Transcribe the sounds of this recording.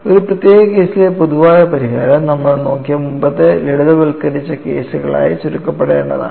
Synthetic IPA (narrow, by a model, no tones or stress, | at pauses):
oɾuprɐt̪jeːɣɐke̞ːsilepoðuʋaːjɐpɐɾiɣa̰ːɾɐmnɐmːɐɭno̞ːkːijɐmumbɐt̪ːeleɽuðɐʋɐɭkːɐɾit͡ɕːɐke̞̰ːsuɣɐɭa̰ːjisuɾukːɐpːeɽeːɳːɐða̰ː